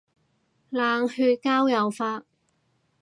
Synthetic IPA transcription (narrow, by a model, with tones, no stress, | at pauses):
laː˨˧ŋhyː˧t̚kaː˥wjɐ˨wfaː˧t̚